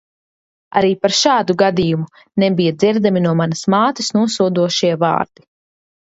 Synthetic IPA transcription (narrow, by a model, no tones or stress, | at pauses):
a̰ɾiːpaɾʃaːd̪uɡad̪ijumu | nɛbijad̪ziɾd̪aminuɔmanɐsmaːt̪ɨsnuɔsuɔd̪uɔʃiɛva̰ːɾd̪̥i